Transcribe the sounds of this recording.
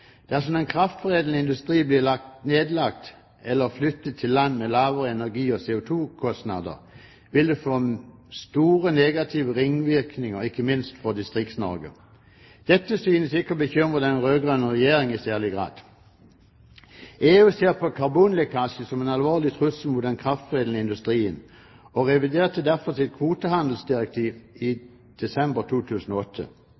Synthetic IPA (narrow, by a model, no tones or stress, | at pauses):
d̪̥æsɔmɛnkʰʁɑft̪fɔʁeːd̪l̩nəɪnd̪ʉst̪ʁiːblɪlɑk̚t̪neːd̪lɑk̚t̪ | ɛlːəʁflʏt̪ːət̪ʰːɪlːɑnːmɛlɑːʋəʁəɛnæʁɡiːɔseːʊt̪ʰuːkʰɔst̪nɑ̰d̪ə̰ʁ | ʋɪld̪ʉfoːst̪uːʁəneːɡɑt̪ʰiʋəʁɪŋːʋɪʁknɪŋəʁɪkːəmɪnst̪fɔd̪ɪst̪ʁɪk̚t̪snɔ̰ʁɡə̰ | d̪̥ɛt̪ːəsyːnəsɪkːəɔbəçʏmʁəd̪ɛnʁøːɡʁœnːəʁɛjeːʁɪŋɪsæːʁlɪɡʁɑ̰ːd̪̥ | ʔeːʉseːʁpʰɔkʰɑʁbuːnlɛkʰɑːɕəsɔmɛnɑlʋoːʁlɪt̪ʰʁʉsəl̩mʊt̪̚d̪ɛnkʰʁɑft̪ʁeːd̪əɪnd̪ʉst̪ʁiːən | ɔʁɛʋɪd̪eːʁt̪ʰəd̪æʁfɔʁsɪt̪̚kʰʋuːt̪əhɑnd̪l̩sd̪ɪʁɛk̚t̪ʰiːʋɪ | d̪̥ɛsɛmbəʁt̪ʰuːt̪ʰʉːsn̩ɔɔt̪ʰːə̰